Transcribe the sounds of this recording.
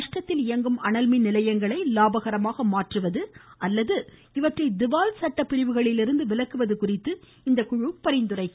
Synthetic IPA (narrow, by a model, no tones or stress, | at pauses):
ʂʈɐt̪ːɪlɪjɐŋɡɯmɐɳɐlminɪlɐjɐŋɡɐɭɐɪlaːbɐɣɐɾɐmaːɣɐmaːʈrɯʋɐðɯʔɐlːɐðɯ | ɪʋɐʈrɐɪd̪ɪʋaːlsɐʈːɐpːɪɾɪʋɯɣɐɭɪlɪɾɯnd̪ɯʋɪlɐkːɯʋɐðɯkʊrɪt̪ːɯ | ɪnd̪ɐkʊɻʊpːɐɾɪnd̪ɯrɐɪ